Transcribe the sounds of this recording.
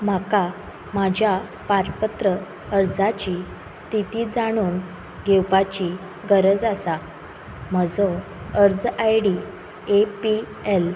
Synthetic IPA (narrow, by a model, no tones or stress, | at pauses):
m̤aka | mad͡ʑʱja | paɾpət̪ɾə | əɾd͡zat͡ɕi | st̪ʰit̪iːd͡zaɽ̃uːn | ɡʱewpat͡ɕi | ɡəɾəd͡zasa | m̤əd͡zɔ | əɾd͡zajɽi | epi | el